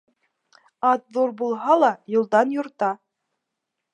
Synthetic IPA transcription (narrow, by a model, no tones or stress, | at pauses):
ɑt̪ðuɾbulˠɦɑlˠɑjŏlˠd̪ɑnjŏɾt̪ɑ